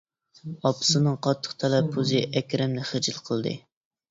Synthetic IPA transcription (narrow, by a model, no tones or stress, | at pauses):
ɑpɨ̥sɨnɨŋqʰɑt̪ʰːə̥χt̪ʰɛlɛpʰːuzɨʔɛkʲɾɪmnɪχəd͡ʒɨlˠqʰəlˠd̪ɨ̰